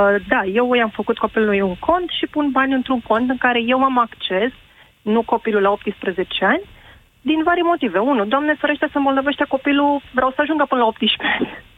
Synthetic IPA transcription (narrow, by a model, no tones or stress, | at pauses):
d̪aje̞wujamfəkut̪̚ko̞pilunojuŋkʰo̞nt̪ʃipunbanʲɨnt̪ɾunpo̞nt̪ɨŋkaɾe̞je̞wamakt͡ʃe̞s | nuko̞pilulao̞p̚t̪ispɾəze̞t͡ʃeanʲ | d̪invaɾimo̞t̪ive̞unud̪oamnefoɾeʃt̪esəmbolnove̞ʃt̪ʲako̞piluvɾʲʔawsəaʒuŋɡapɨnəlao̞p̚t̪iʃpeanʲ